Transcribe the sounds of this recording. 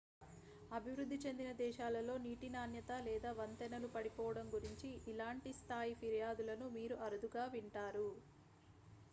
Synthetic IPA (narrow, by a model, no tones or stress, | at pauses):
ɐbʱiʋɾud̪ʱːit͡ʃe̞nd̪inɐd̪ɛːʃaːlɐlo̞ːniːʈinaːnjɐt̪alɛːd̪aːʋɐnt̪ɐnɐnupɐɽipɔːʋɐɽɐmɡuɾiɲt͡ʃiːlaːɳʈist̪ʰaːjipʰiɾijaːd̪ulɐnumiːɾuʔɐɾud̪uɡaːʋiɳʈaːɾu